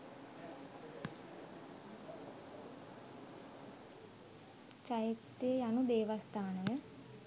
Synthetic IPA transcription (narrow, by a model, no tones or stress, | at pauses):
t͡ʃajit̪ːijejanud̪eːʋɐst̪ʰaːnəjə